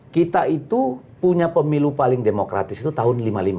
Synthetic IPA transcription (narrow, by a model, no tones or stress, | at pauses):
kit̪ait̪u | puɲapəmilupalɪŋdemokɾa̰t̪ɪsit̪ut̪aɦʊnlimalima